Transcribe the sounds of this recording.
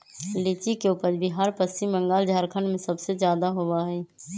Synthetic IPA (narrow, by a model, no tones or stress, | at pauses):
lɪt͡ʃikeuːpəɾbʱiɦaːɾpəsimːə̃ŋɡaːld͡ʒʱaːɾkʰənmẽsəbsezjaːd̪aɦoʋaɦɛː